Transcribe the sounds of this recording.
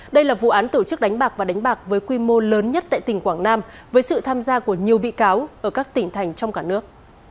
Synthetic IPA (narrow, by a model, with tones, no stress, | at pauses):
ɗə˧jlaː˨˩vṵ˧˨ʔaː˨˦nt̪o˧˩t͡ɕɨ˦˥k̚ɗa˨˦jŋ̟ɓaː˨˩k̚vaː˨˩ɗa˨˦ŋ̟ɓaː˨˩k̚vəː˨˦jkwi˧mo˧ləː˨˦nɲə˦˥t̚t̪a̰ː˧˨jt̪ï˨˩ŋ̟kwaː˧˩ŋnaː˧mvəː˨˦jsɨ̰˧˨t̪ʰaː˧mzaː˧ku˧˩əɲi˨˩əwɓḭ˧˨kaː˨˦wʔəː˧˩kaː˦˥k̚t̪ï˧˩ŋ̟t̪ʰa˨˩jŋ̟t͡ɕɔ˧wŋ͡mkaː˧˩nɨ˦˥ək̚